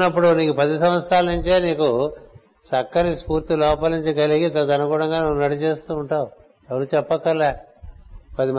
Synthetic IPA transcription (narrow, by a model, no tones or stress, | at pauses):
nɐp̬ːuɽuniːkupɐd̪isɐmʋɐt̪sɾaːlɐnuɲt͡ʃeːniːku | sɐkːɐɾispuːɾt̪ilɔːpɐlnuɲt͡ʃikɐliɡit̪ɐd̪ɐnɐkuːɽɐŋɡaːnuunɐʈit͡ʃe̞ːst̪uːɳʈaːwu | ɛʋɐɾuːt͡ʃɛpːɐkːɐlːa | pɐd̪im